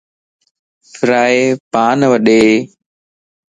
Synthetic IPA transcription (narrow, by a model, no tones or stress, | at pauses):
fɾaːeːpaːnʋəɗeː